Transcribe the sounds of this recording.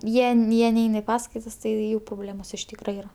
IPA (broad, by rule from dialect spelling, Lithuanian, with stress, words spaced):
ˈjiɛ n ˈjiɛ ˈnʲɛɪn ɪ ˈpɑːskɐɪtɐs ˈtɐɪ ˈjuː proːˈbʲlʲeːmoːs ɪʃ ˈtʲiːkrɐ ˈiːrɐ